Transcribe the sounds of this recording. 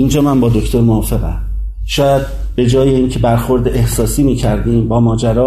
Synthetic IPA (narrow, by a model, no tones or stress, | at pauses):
ʔind͡ʒɒːmænbɒːd̪okt̪ʰo̞ɾmoɒːfe̞ɣæ̰ | ʃɒːjæd̪̚ | b̥e̞d͡ʒɒːjeiːncʰe̞bæɾxo̞ɾd̪eʔehsɒːsiːmiːcʰæɾd̪iːmbɒːmɒːd͡ʒæɾɒː